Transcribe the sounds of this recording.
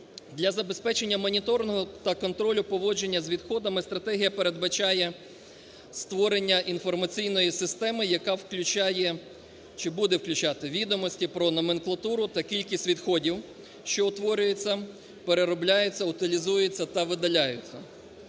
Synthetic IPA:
d̪lʲɐzɐbe̞spɛt͡ʃe̞nʲːɐmɔnʲit̪ɔɾnɔɦɔt̪ɐkɔnt̪ɾɔlʲʊpɔʋɔd͡ʒe̞nʲːɐzʋʲid̪xɔd̪ɐmɪst̪ɾɐt̪ɛɦʲijɐpe̞ɾe̞d̪bɐt͡ʃɑjɛ | st̪ʋɔɾe̞nʲːɐʔinfɔrmɐt͡sʲijnɔjisɪst̪ɛmɪjɐkɑwklʲʊt͡ʃajɛ | t͡ʃɪbud̪ɛwklʲʉt͡ʃat̪ɪʋʲid̪ɔmɔsʲtʲipɾɔnɔmenklˠɐt̪uɾʊt̪ɐkʲilʲkʲisʲtʲʋʲid̪xɔdʲiw | ʃt͡ʃɔʊt̪ʋɔɾʲʊjet͡sʲːɐ | peɾeɾɔblʲajʊt͡sʲːɐʊt̪ɪlʲizujet͡sʲːɐt̪ɐʋɪd̪ɐlʲajʊt͡sʲːɐ

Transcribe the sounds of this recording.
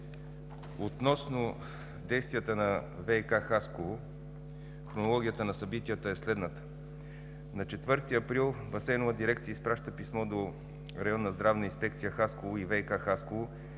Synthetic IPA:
ot̪nɔsnʊ | d̪ɛjst̪vijət̪ənɐvɛjkaxaskovo | xɾonolˠɔɡ̟ʲijət̪ənɐsɐbit̪ijət̪əɛslɛd̪nət̪ə̥ | nɐt͡ʃɛt̪vɤɾt̪iɐpɾilˠbɐsɛnovəd̪iɾɛkt̪sijəispɾaʃt̪əpismɔd̪o | ɾɐjɔnːɐzd̪ɾavnəinspɛkt̪sijəxaskovoivɛjkaxaskovo

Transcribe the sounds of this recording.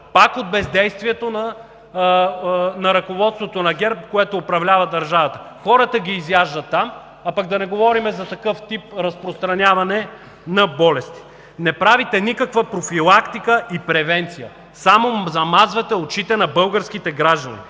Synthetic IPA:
pakod̪̚bɛzd̪ɛjst̪viɛt̪onɐ | nɐɾɐkovɔt̪st̪vot̪onɐɡɛɾp̚koɛt̪oːpɾɐvlʲavɐd̪ɐɾʒavɐt̪ə̥xɔɾət̪əɡʲiːzjaʒd̪ɐt̪ːam | ɐpak̚d̪ɐnɛɡovɔɾimɛzɐt̪ɐkɤft̪ip̚ɾɐspɾost̪ɾɐnʲjavɐnɛ | nɐbɔlɛst̪i̥ | nɛpɾavit̪ɛnikɐkvɐpɾofilˠakt̪ikəʔipɾɛvɛnt̪sijə̰ | samozɐmazvɐt̪ɛot͡ʃit̪ɛnɐbɤlˠɡəɾsk̟it̪ɛɡɾaʒd̪ɐnḭ

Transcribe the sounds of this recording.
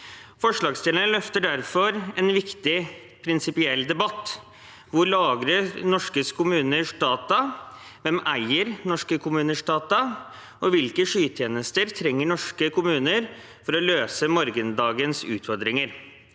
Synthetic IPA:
fɔʂɭɑːɡst̪ɪlənəlœft̪əɖæɾfɔɾɛnʋɪkt̪ɪ | pʰɾɪnsɪpɪɛlːd̪ɛbɑt̪ː | ʋʊɾlɑːɡɾənɔʂkəskʰʊmʉːnəʂd̪ɑːt̪ɑʋɛmæɪəɾnɔʂkəkʰʊmʉːnəʂɖɑːt̪ɑ | ʔɔʋɪlkəʂyːt̪ʰjeːnəst̪əɾt̪ʰɾɛŋːəɳɔʂkəkʰʊmʉːnəɾ | fɔɾɔløːsəmɔɾɡənd̪ɑːɡənsʉ̰ːt̪ʰfɔɾd̪ɾɪŋəɾ

